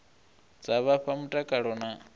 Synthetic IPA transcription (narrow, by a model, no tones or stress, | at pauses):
d͡zaβaɸamutʼakʼaɺɔna